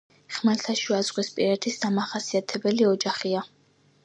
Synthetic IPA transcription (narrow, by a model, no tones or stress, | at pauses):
χmɛɾt̪ʰaʃuazʁʼwispʼiɾɛt̪ʰisd̪amaχasiat̪ʰɛbɛliɔd͡ʒaχia